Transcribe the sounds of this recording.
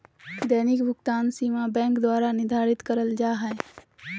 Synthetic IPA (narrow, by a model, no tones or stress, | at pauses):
d̪ɛːnɪkbʱʊkt̪aːnsiːmabɛ̃ːŋkd̪waːɾanɪd̪ʱaːɾɪt̪kəɾəld͡ʒaːɦɛ